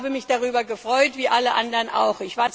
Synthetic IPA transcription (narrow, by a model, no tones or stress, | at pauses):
bəmɪçd̥aʁyːbɐɡəfʁ̥ɔʏtv̥iːʔaləʔandəʁənʔa̰ʊxʔɪçv̥aːɐt͡s